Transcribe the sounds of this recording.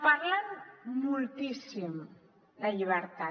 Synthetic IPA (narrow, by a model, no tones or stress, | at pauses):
paɾlanmulˠt̪isim | d̪aʎiβəɾt̪a